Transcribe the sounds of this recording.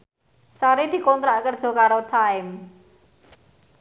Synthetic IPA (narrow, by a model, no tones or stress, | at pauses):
saɾid̪̥i̤kɔnt̪ɾaʔkərd̥ʒ̥o̤kaɾot̪ʰaɪm